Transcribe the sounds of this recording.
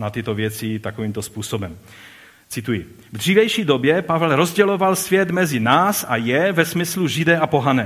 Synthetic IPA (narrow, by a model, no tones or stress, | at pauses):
nat̪ɪt̪ovjɛt͡sɪt̪akoviːmt̪ospuːsobɛm | t͡sɪt̪uji | vd̪r̝iːvɛjʃiːd̪objɛpavɛlɾozɟɛlovalsvjɛd̪mɛzinaːsajɛvɛsmɪsluʒid̪ɛːapoɦanɛː